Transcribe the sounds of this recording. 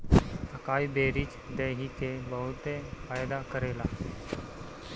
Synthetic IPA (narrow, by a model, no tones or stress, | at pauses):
əkaibeɾiːt͡ʃ | d̪eɦikebəɦut̪efajd̪akəɾela